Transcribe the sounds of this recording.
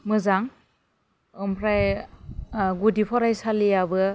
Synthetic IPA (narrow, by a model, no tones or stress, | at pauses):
mɯzaŋ | ɯmpʰɾaj | ɡudipʰɔɾajsalijabɯ